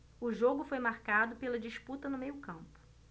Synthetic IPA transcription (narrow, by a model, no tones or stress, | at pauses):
ʊʒoɡʊfojmaɾkad̪ʊpelɐd͡ʒiʃput̪ɐnʊmejʊkɐ̃mpʊ̥